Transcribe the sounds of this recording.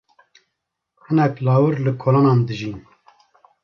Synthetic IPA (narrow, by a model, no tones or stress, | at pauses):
hɨnɛklɑːwɨɾlɨkʰoːloːnɑːnd̪ɨʒiːn